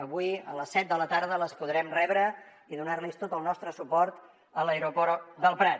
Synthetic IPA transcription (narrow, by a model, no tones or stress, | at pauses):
əβujələsːɛt̪̚d̪ələt̪aɾð̞ələspuðɾɛmrɛβɾə | iðunaɾlist̪ot̪əlˠnɔst̪ɾəsupɔɾt̪ | ələeɾupɔɾd̪əlˠpɾat̪